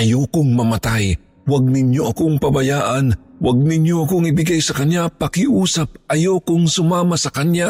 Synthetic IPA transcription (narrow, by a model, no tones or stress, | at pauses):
ʔɐjokʊŋmɐmɐt̪aj | waɡ̚nɪnjoʔɐkoŋpɐbɐjaːʔɐnwaɡ̚nɪɲjoʔɐkoŋɪbɪɡajsɐkɐnjapɐkɪʔuːsɐp̚ʔɐjokʊŋsʊmaːmɐsɐkɐnja